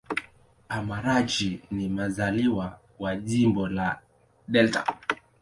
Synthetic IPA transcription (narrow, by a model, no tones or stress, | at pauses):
amaɾad͡ʒinimazaliwa | waʄimbɔla | ɗɛlta̰